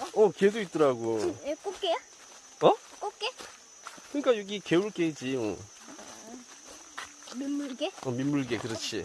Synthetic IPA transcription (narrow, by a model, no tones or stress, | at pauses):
ʌkes̬ʰoit̚t͈ʌɾaɡoek͈ok͈eja | ʌoke | kɯɲik͈ajʌɡikeuɭk͈eid͡ʑio̰ | mimuɭɡeʌmimːuɭɡekɯɾʌt͡ɕʰḭ